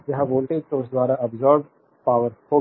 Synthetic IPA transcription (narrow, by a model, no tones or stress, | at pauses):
jɐɦãʋoːlʈeːd͡ʒt̪oʊsd̪waːɾaɐbzɔːɾb | paːʋəɾhoː